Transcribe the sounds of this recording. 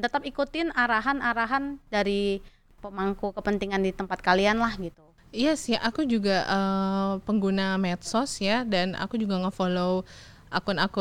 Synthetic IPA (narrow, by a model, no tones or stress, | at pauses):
t̪ət̪apikut̪ɪnaɾaɦanaɾaɦandaɾi | pəmaŋkukəpənt̪iŋandit̪əmpat̪̚kalianlahɡit̪u | ijasiʔakud͡ʒuɡaʔəpəŋɡunamɛt̪̚sɔsjadana̰kud͡ʒuɡaŋəfolo | ʔakʊnaku